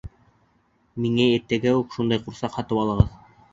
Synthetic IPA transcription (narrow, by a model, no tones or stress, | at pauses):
miŋæet̪ːæɡæʉkʃund̪ɑjquɾsɑqhɑt̪ɤpɑlˠɤ̆ʁɤð